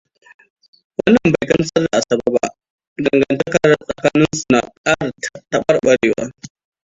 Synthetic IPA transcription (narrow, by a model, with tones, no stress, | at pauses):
wɐ˦nːɐ˨mba˨jkɐ˦n˦sɐ˦rda˨ʔa˨sɐ˨ba˦ba̰˦ | dɐ˨ŋɡɐ˨ntɐ˦kɐ˨ɾsʼɐ˨kaː˦nɪ˦nsu˨na˨kʼaː˦ɽtɐ˦ɓɐ˦rɓɐ˨ɽeː˦wa̰ː˦